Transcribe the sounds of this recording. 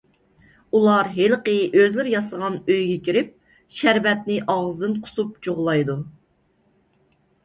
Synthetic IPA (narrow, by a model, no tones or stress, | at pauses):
ulˠɑɾɦelqəʔøzlɪɾjɑsəʁɑnøjɡʲɛkʲiɾɪp̚ | ʃæɾvɛt̪̚nɪʔɑʁzɨd̪ɨnqʰʊ̥sup̚d͡ʒoʁlˠɑjd̪u